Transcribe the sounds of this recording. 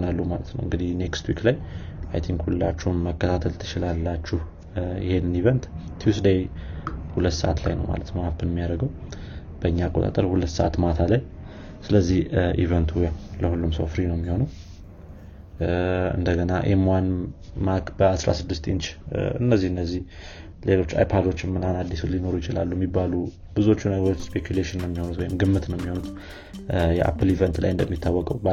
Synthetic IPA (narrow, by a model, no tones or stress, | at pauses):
onalːumalət̪nə̰wɨŋɡɨd̪ihne̞kst̪wiklajʔa̰jt̪ʰiŋkhulɨlːa̰t͡ʃːɛwnməkːət̪ʰat̪ʰəlt̪ʰɨ̥t͡ʃɪlalːat͡ʃːɪh | ɪ̰he̞nɨnivənt̪ | t̪ʰjusd̪ejhulət̪ːsə̰ʔa̰t̪la̰jnə̰wma̰lət̪məhapːɨnmːijaɾəɡəw | b̥əɨɲːaːkʼot̪a̰t̪ʼəɾhulət̪ːsəʔat̪mat̪ʰalaj | sɨləzːihʔḭvənt̪ʰujawləhulːumso̰wfɾinəwmːiho̞nəw | ɨ̰nd̪əɡənaʔḛmwanmakbəasɾa̰sɨd̪ːɨst̪ʼint͡ʃɨ̰nːəzːihɨnːəzːih | le̞lo̞t͡ʃːa̰jpʰad̪o̞t͡ʃːɪnmɨnanad̪ːisulino̞ɾujɪt͡ʃɪla̰lːuɛmːibːalu | b̥ɨzuo̞t͡ʃːunəɡəɾo̞t͡ʃːspʰekʰjuleʃɪnːjɛmːiho̞nut̪wɔjɪmɡɨmːɨt̪nəwjɛmːiho̞nut̪ | jɛʔa̰pːɨlivɛnt̪la̰jɨnd̪əmːit̪ʰːawːɔkʼəwb